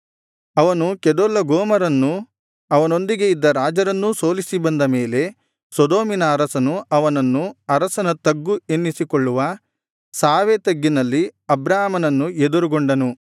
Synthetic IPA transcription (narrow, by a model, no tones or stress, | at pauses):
ɐʋɐnukɛd̪olːɐɡɔːmɐɾɐnːu | ɐʋɐno̞nd̪iɡe̞id̪ːɐɾaːd͡ʒɐɾɐnːuso̞ːlisibɐnd̪ɐme̞ːle̞ | sɔd̪oːminɐːɾɐsɐnuʔɐʋɐnɐnːuɐɾɐsɐnɐt̪ɐɡːuenːisikɔɭːuʋɐ | saːʋet̪ɐɡːinɐlːiɐbɾaːmɐnɐnːued̪uɾuɡoɳɖɐnu